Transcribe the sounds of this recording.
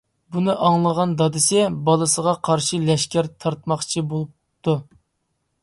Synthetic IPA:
bunɨʔɑŋlˠəʁɑnd̪ɑd̪ɨsɪbɑlˠɨsəʁɑqʰɑɾʃɨlɛʃkʲæɾt̪ʰɑɾt̪mɑχt͡ʃʰibolˠup̚ | t̪ʰːu

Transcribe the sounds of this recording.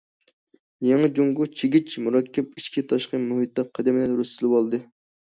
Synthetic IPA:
jeŋɨd͡ʒuŋɡʊt͡ʃʰɪɡʲit͡ʃmuɾɑkʲːɛp̚iʃkʲʰit̪ʰɑʃqəmuɦit̪̚ːɑp̚qʰːæd̪ɛmɪlɛnɾust̪ɨlˠɨwɑlˠd̪ɨ

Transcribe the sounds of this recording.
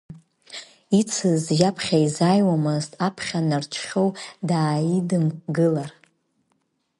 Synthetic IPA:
it͡sʰɨzʒapʰχʲaizajwamɨztʰʼapʰχʲanart͡ʃʷʰχʲowdaːidɨmɡɨlar

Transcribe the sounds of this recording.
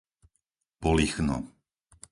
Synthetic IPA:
pɔlixnɔ̰

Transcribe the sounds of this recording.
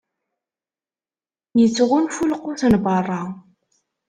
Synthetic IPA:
jit͡sːʁunfulqʊθnbɑrˤːɑ

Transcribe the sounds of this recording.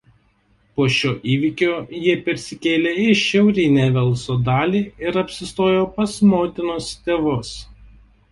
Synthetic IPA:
poːʃʲoːʔiːʋʲɪkʲoːjiɛpʲɛɾʲsʲɪkʲeːlʲeːɪʃʲɛʊɾʲɪnʲeːʋʲɛlˠsoːd̪ɑːlʲiːɪɾɐpʲsʲɪst̪oːjoːpɐsmoːt̪ʲɪnost̪ʲeːʋʊs

